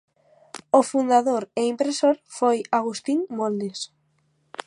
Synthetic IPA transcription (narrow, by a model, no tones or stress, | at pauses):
ofund̪aðoɾeimpɾesoɾfojaɣ̞ust̪iŋmold̪es